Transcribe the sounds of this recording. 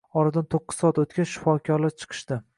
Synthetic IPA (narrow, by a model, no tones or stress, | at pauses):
ɒɾad̪ant̪ʰoqːɨ̥zsɒat̪ot̪kʲaʃɪ̥fɒkʲʰɒɾlat͡ʃʰɨ̥qʰɨ̥ʃd̪ɪ